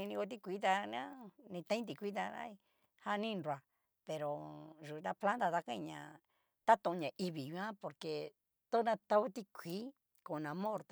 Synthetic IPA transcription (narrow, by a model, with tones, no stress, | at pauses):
ĩ˧nĩ˧ko˧t̪i˦kʷi˦t̪̬a˧ñ˧ã˦nĩ˧t̪ã˧˦ĩ˦t̪̬i˧kʷi˦t̪a˧nã̰˦i˧ | ha˦˧nĩ˦˧nɾwa˨ | pe˨ɾo˨ʒu˨˧t̪a˧pflã˦nd̪a˧t̪a˧kã˦ĩ˧ɲã̰˨ | t̪a˦t̪õ˧ɲã˨ʔi˧βi˨jũ˧˦ã˦po˨ɾke˨ | t̪o˦nã˧t̪a˧˦o˦t̪i˦kʷiː˦ | kõ˨˧nã˧mõ˦˨ɾt̪